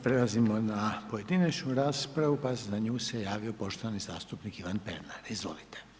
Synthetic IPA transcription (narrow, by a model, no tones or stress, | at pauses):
pɾelˠazimo̞napo̞je̞d̪inat͡ʃnuɾaːspɾaʋupazaɲuːsejaːʋio̞po̞ʃt̪oʋaniza̰ːst̪upnikiʋanpḛɾnaɾizʋo̞̰lit̪e̥